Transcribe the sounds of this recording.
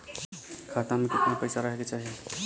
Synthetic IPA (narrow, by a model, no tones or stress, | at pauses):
kʰat̪amẽket̪napəjsaɾʌɦeket͡ʃaɦi